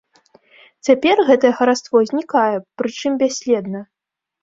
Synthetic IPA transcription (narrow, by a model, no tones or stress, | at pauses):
t͡sʲapʲɛrɣɛt̪ɐjɛɣɐɾat̪st̪vɔzʲnʲikajɛpɾɨt͡ʂɨmbʲasʲlʲɛd̪nɐ